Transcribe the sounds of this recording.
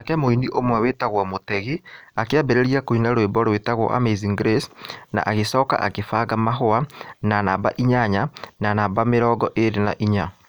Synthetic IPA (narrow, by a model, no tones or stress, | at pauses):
akɛmoiniʔomwɛwetaɣwamotɛɣiakeabeɾeɾiakoinaɾwebɔɾwetaɣwɔ̰ʔa̰meziŋɡɾesna̰ʔaɣesɔːka̰ʔa̰kefaɣamaɦoananaːbaʔiɲaɲananaːbameɾɔːɡɔʔeɾena̰ʔiɲa